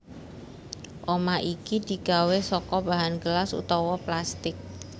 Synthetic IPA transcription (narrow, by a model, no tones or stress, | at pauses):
ʔomaʔikid̪̥i̤ɡ̥awesɔkɔbaɦanɡəlasṵt̪ɔwɔplast̪ɪk̚